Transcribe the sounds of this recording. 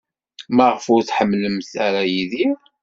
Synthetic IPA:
mæʁəfʊɾθħəmːləmθaɾæjiði

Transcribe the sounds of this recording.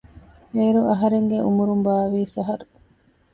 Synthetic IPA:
eːɾuʔɐɦɐɾeŋɡeʔumuɾumbaːʋiːsɐɦɐɾu

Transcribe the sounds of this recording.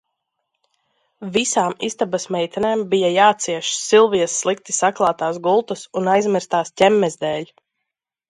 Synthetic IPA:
visaːmist̪abasmɛjt̪ʲaneːmbijajaːt̪siɛʃsilˠvijɛsːlˠik̚t̪i̥saklˠaːt̪aːs̬ɡulˠt̪usunajzmiɾst̪aːstʲɛmːɛzd̪ɛːlʲ

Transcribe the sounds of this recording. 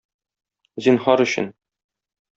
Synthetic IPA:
zinχɒɾɵ̆ɕɘ̰̆n

